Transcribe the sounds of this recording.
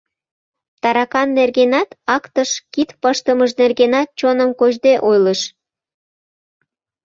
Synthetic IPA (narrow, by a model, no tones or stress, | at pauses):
t̪ɑɾɑkɑnːerɣenɑt̪ɑkt̪əʃkit̪pəʃt̪əməʃnerɣenɑt̪̚t͡ɕonəmkoʒd̪eʔojləʃ